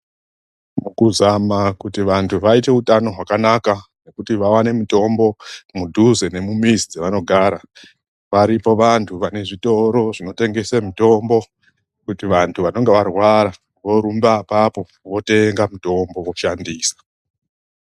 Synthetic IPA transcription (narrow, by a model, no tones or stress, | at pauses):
mukuzamakutiʋantʰuʋaite̞utano̞ɦwakanakane̞kutiʋawane̞muto̞mbo̞mudʱuzene̞mumizid͡zeʋano̞ɡʱaɾa | ʋaɾipo̞ʋantʰuʋane̞ʐito̞ɾo̞ʐino̞te̞ŋɡe̞semito̞mbo̞ | kutiʋantʰuʋano̞ŋɡe̞ʋarwaɾa | ʋo̞ɾumbapapo̞ | ʋo̞te̞ŋɡamuto̞mbo̞woʃandiːsḁ